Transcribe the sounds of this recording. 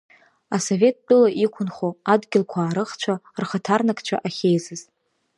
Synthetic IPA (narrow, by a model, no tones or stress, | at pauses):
asove̞t̚ʰt͡pʼʊlaʔikʷʰʊnχoadɡʲɪlkʷʰaːɾɨχt͡ʃʷʰarχətʰarnakʰʼt͡ʃʷʰa̰ʔaχʲejzɨz̥